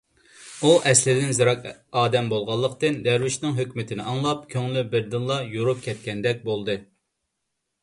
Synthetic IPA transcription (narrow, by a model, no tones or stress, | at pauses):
uʔɛslɪd̪ɪnzɨɾɑkɑːd̪ɛmbolˠʁɑlˠːəqt̪ɨnd̪æɾwɪʃnɪŋɦøkʲmɪt̪ʰɪnɪʔɑŋlˠɑpkʲʰøŋlybɪɾd̪ɨnlˠɑjoɾup̚kʲʰɛt̪̚kʲɛnd̪ɛk̚ʲbolˠd̪ɨ